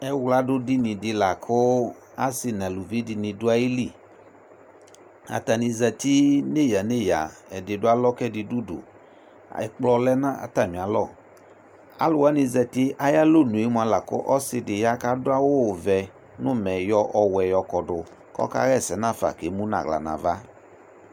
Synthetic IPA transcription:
ɛ˦wla˦dʊ˦dɪ˦nɪ̃˨dɪ˧la˨kʰʊ˦ | a˦sɪ˨nã˨lu˨vi˦dɪ˧nɪ̃˨dʊ˦a˦i˦li˦˨ | a̰˨ta˨ni˧zɛ˧ti˦ne˦˨ja˨ne˦˨ja̰˨ɛ˨dɪ˨dʊ˦a˦lɔ˦kɛ˦˨dɪ˨du˦dʊ̰˨ | ɛ˨k͡plɔ˧lɛ˦nã˦a̰˨ta˨mĩ˨a˨lɔ˦˨ | a̰˦lʊ˨wa˨˦nɪ˧zɛ˧tɪ˦ʔa˦ja˦lo˦˨nũ˨e˦mʊ˧˦a˧la˨kʊ̰˦ʔɔ˦sɪ˧dɪ˨ja˦ka˦dʊ˦a˦wʊ˦˨vɛ˨ | nʊ˦mɛ˨jɔ˧ʔɔ˨wɛ˨jɔ˧kɔ˨dʊ˨ | kɔ̰˦ka̰˦ɣɛ˦˨sɛ˨˦nã˦˨fa̰˨ke˨˦mu˦na̰˨ɣla̰˨na̰˨va˦

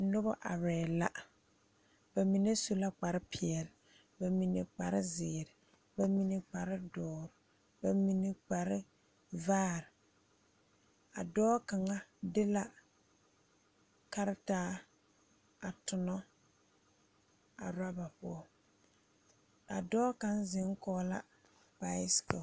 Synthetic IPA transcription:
nʊ˦bɔ˦ʔa̰˨ɾɛː˨la˦ | b̥a˨mi˨ne˦so˨la˦k͡pa˨ɾɪ˦pʰɪ˨ɛ˨lɪ˨ | ba˨mi˨nḛ˨k͡pa˨ɾɪ˦zɪː˨ɾɪ˨ | ba˨mi˨ne˦k͡pa˨ɾɪ˦dɔː˨˦˨ɾʊ˨ | ba˨mi˨ne˨k͡pa˨ɾɪ˦ | vaː˦˨ɾɪ˨ | a̰˨dɔː˦ka˨ŋa˦dɪ˦la˦ | ka˦ɾɪ˦taː˦ | a˨tʊ˨nɔ˦ | a̰˨ɾa˦ba˨pʊ̰˦ɔ˦ | a˨dɔː˦ka˨nzɪ˨˦ŋ˦kɔː˦la̰˦ | pa˨ɪ˦skɔ˨

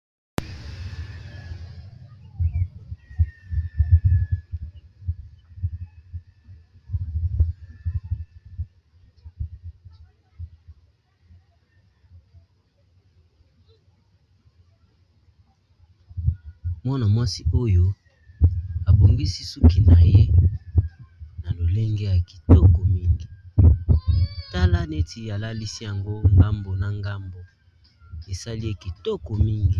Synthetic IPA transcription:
mɔ˦na˨mwa˦si˦o˦jo˦ | a˨bu˨ŋɡi˦si˦su˦ki˨na˨je˦ | na˨lo˨le˦ŋɡɛ˦ja˨ki̥˨tɔ˦kɔ˨mi˦ŋɡi˨ | ta˦la˦ne˦ti˨a˨la˦li˦si˦ja˨ŋɡo˦ŋɡa˦mbo˨na˨ŋɡa˦mbo˨ | e˨sa˦li˦e˦ki˨tɔ˦kɔ˨mi˦ŋɡi˨

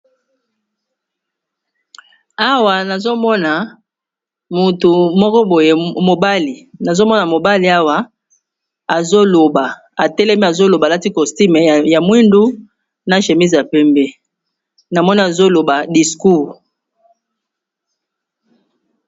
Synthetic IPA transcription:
a˦wa˨na˨zo˦mɔ˦na˨ | mu˨tu˨mɔ˦kɔ˦bo˨je˨mo˨ba˦li˨na˨zo˦mɔ˦na˨mo˨ba˦li˨a˦wa˦ | a˨zo˦lo˨ba˨ | a˨tɛ˦lɛ˦mi˦a˨zo˦lo˨ba˨la˦ti˦kɔ˨sti˦mɛ˨ja˨mwi˦ndu˦ | na˦ʃe˨mi˦zi˨ja˨pɛ˦mbɛ˦ | na˨mɔ˦ni˦a˨zo˦lo˨ba˨di˨sku˦˨

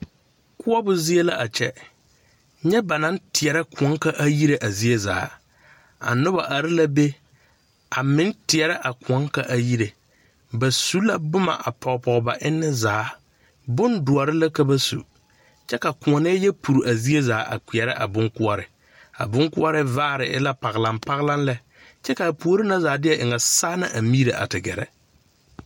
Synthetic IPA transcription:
kʰʊ˦ɔ˦bʊ˦zɪ˦e˦la˦ʔa˨t͡ʃʰɛ˦ | ɲɛ˦ba˨nã˨˦n˦tʰɪ˨ɛ˨ɾɪ˦kʰʊ˨ɔ˨˦ŋ˦ka˦ʔa˦ji˦ɾe˨ʔa˨zi˦e˦za̰ː˨˦ | a̰˨nʊ˦ba˨ʔa˨ɾɪ˦la˦be˦ | a˨mɪ̃˦n˦tɪ˨ɛ˨ɾɪ˦ʔa˨kʰʊ̃˨ɔ˦ŋka˨ʔa˨ji˦ɾe˨ | ba˨su˦la˦bʊ˦ma̰˨ʔa˨pʰɔ˨ɣpɔ˨ɣba˨ʔɪ˦nːɪ˦zaː˨˦ | bʊ˦ndʊ˨ɔ˨ɾɪ˦la˦ka˦ba˦sṵ˨ | t͡ʃɛ˦ka˨kʊ˨ɔ˨nɛ˦jɛ˦pʰu˨ɾu˨ʔa˨zi˦e˦zaː˨˦ʔa̰˨kʷi˨ɛ˨ɾɪ̰˦ʔa̰˨bʊ˦ŋkʊ˦ɔ˦ɾɪ˨ | a̰˨bʊ˦ŋkʊ˦ɔ˦ɾɪ˦vaː˦˨ɾɪ˨ʔɪ̰˦la˦pa˨ɣɪ˨la˨mpa˦ɣla˦n˦lɛ˦ | t͡ʃɛ˦ka˨a˨pu˨o˦ɾɪ˦na˦zaː˨˦dɪ˦ɛ˦ʔɪ˨ŋa˨saː˦na˦ʔa˨mi˦ɾe˨ʔa̰˨tɪ˨ɡɛ˨ɾɛ̰˨

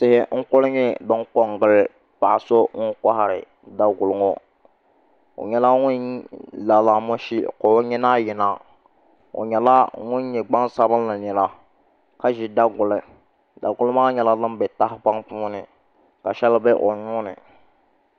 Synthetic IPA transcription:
sɪ˨hɪ˨ŋ̩˦kʊ˦lɪ˦ɲɛ˦bɪ˦ŋ˦kɔ˨ŋɡɨ˨lɪ˨ | pa˨so˦ŋʊ˦ŋka˦ɦa˨ɾɪ̰˨ | da˨ɡʊ˨lʊ˨ŋo˦ | o̰˨ɲɛ˦la˦ŋʊ˦n˦la˨la˨mo˦ʃi˦ko˨˦ɲɛ˦na˦jɪ˨naː˦˨ | o̰˨ɲɛ˨la˦ŋʊ˦nɲɛ˨ɡ͡ba˦ŋsa˦bɨ˦nla˨nɛ˨la˦ | ka˦ʒi˨da˦ɡʊ˨lɪ˨ | da˨ɡʊ˦lɨ˦maː˦ɲɛ˨la˦lɨ˦m˦bɛ˨ta˦hɪ˦pa˦ŋpuː˦nɪ˨ | ka˨ʃɛ˦lbɛ˦ʔo˨ɲʊː˦nɪ̰˨

